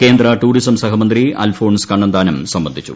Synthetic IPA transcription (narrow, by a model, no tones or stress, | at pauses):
ke̞ːnd̪rɐʈuːɽisɐmsɐɦɐmɐnd̪ria̰ːlfoːɳskɐɳːɐnd̪aːnɐmsɐmbɐnd̪ʱit͡ɕːṵ